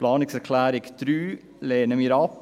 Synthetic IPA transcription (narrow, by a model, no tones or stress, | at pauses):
plɑːnɪksæɾkʰlæːɾɪɡd̪̥ɾyː | leːnəmiɾɑːp